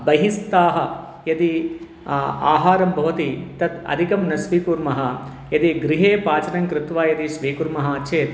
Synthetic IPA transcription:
bɐɦist̪aːɦɐ | jɐt̪i | a̰ːɦaːɾɐmbʱɐʋɐt̪it̪ɐt̪ɐ̰d̪ʱikɐmnɐsʋiːkuɾmɐɦɐ | jɐt̪iɡɾiɦeːpaːt͡ʃɐnɐŋkɾɪt̪ʋaːjɐt̪iʃʋiːkuɾmɐɦɐt͡ʃʰeːt̪

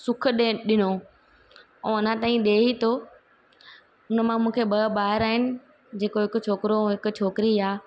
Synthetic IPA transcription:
sʊk̆ʰɗeɗɪno | ɛ̃ʊnə̃t̪aːĩɗeːɦit̪ʰoː | ʊnəmãmũːkʰebɐbaːɦɪɾaːɦɪnɪ̆ | d͡ʑeːkoɦɪkʊ̆t͡ɕʰoːkɪɾoɦɪkʊ̆t͡ɕʰoːkɪɾiaː

